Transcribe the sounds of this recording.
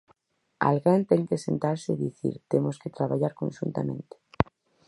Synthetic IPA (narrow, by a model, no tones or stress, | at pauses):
a̰lɣant̪eŋkesent̪aɾseðiθḭɾt̪emosket̪ɾaβaʎaɾkõ̰nʃunt̪a̰mẽnt̪e̥